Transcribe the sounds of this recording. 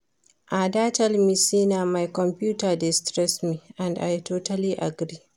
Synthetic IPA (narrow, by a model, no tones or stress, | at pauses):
ʔadaːtɐlmisinamajkɔmpuːtadɛstɾɛsmiʔandajtoːtaliʔa̰ɡɾi